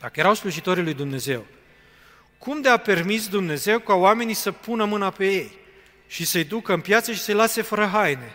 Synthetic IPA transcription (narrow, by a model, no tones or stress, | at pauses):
d̪̥akəje̞ɾawsluʒit̪o̞ɾilujd̪umne̞ze̞w | kʰumd̪eape̞rmis̬d̪umne̞ze̞wkaoame̞nijsəpunəmɨnape̞je̞j | ʃisəjd̪ukəɨmpjat̪səʃi̥səjlase̞fəɾəɦajne̞